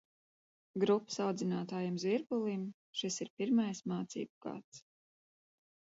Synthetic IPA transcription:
ɡɾupːə̥sawd̪zinaːt̪aːjamzviɾɡulˠim | ʃisiɾpiɾmajsmaːt̪sḭːbuɡ̥a̰ːt̪s

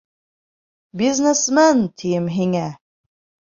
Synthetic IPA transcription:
biznesmænt̪ʰijɘmɦiŋæ

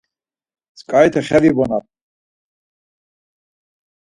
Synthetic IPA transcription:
skʼajt̪ʰɛχɛvibɔnat

